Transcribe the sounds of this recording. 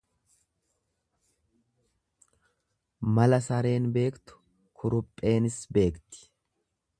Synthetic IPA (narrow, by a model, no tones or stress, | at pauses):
mɐlɐsɐɾe̞ːnbe̞ːkt̪ʊ̥ | kʰʊɾʊpʼːe̞ːnɪsbe̞ːkt̪ɪ̥